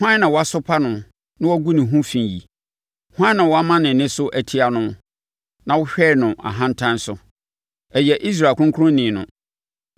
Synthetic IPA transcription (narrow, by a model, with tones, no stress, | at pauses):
hʷã˦nã˨wɔ˦a˦sʊ˦pʰa˦nʊ̃˨ | nɪ̃˦wɔ˦ɡu˦nɪ̃˨ɦũ˦fĩ˨jḭ˨ | hã˦nã˨wɔ˦a˦mã˦nɪ̃˨nɪ̃˦sʊ˦ʔæ˨tʰi˦a˨nʊ̃˦ | nã˨wʊ˦ɕᶣɛː˦˨nʊ̃˨ʔa̰˨ɦã˦n̩˦tʰã˦n˦sʊ˨ | ɛ˨jɛ˨ʔi˦s̬ɾa˨kʰʊ̃˦ŋ˦kʰʊ˦ɾʊ̃˦nɪ̃˨nʊ̰̃˨